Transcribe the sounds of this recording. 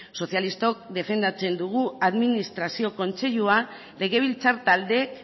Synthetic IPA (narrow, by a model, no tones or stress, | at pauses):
so̞sθjalist̪o̞kd̪e̞fe̞nd̪at͡se̞nd̪uɣ̞uaðminist̪ɾasio̞ko̞nt͡se̞ʎua | le̞ɣe̞β̞ilt͡saɾt̪ald̪e̞k